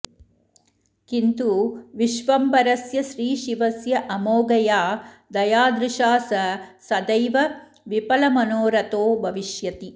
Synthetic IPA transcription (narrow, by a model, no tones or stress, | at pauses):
kint̪uʋiʃʋɐmbɐɾɐsjɐʃɾiːʃiʋɐsjɐʔɐmoːɡɐjaːd̪ɐjaːd̪ɾɪʃaːsɐsɐd̪ɐjʋɐ | ʋipɐlɐmɐnoːɾɐt̪oːbʱɐʋiʃjɐt̪i